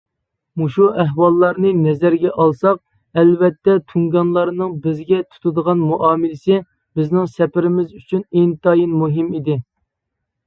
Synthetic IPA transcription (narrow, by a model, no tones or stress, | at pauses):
muʃuæɦwɑlˠːɑɾnɨnɛzæɾɡʲɛʔɑlˠsɑq̚ | ɛlvɛt̪ːɛt̪ʰuŋɡɑnlˠɑɾnɨŋbɪzɡʲɛt̪ʰu̥t̪ʰud̪əʁɑnmuʔɑːmɪlɪsɪ | bɪznɪŋsɛpɪɾɪmɪzyt͡ʃʰynent̪ʰɑjinmuɦɪmid̪ɪ